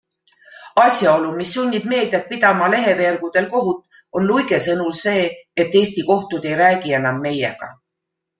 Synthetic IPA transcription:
ɑsʲjɑo̞lumisːunʲːib̥me̞ːld̪et̪̚pid̪̥ɑmɑle̞ɦe̞ve̞ːrɡ̥ud̪̥e̞lko̞ɦut̪ːˑ | o̞nlujɡ̥e̞sɤnulse̞ːet̪ːe̞ːst̪iko̞ht̪ud̪e̞jɾæːɡ̥ie̞nɑmːe̞je̞̰ɡ̥ɑ̰

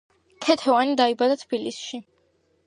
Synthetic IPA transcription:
kʰɛt̪ʰɛvanid̪aibad̪at̪ʰb̥ilḭsʃi

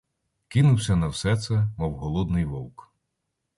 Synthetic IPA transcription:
kinʊwsʲɐnɐwsɛt̪sɛmɔwɦɔlˠɔd̪nɪjʋɔlˠk

